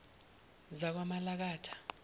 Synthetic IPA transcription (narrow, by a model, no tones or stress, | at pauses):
zak̬wamalak̬aːtʰḁ